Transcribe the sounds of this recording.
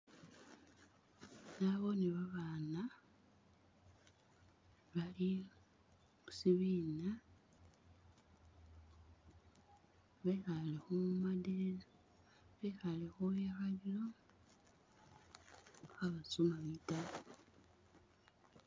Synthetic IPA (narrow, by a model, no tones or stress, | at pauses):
naβoniβaβaːna | βali | usiβiːna | βexalexumadeɾa | βexalexujaxalilo | xaβasumamita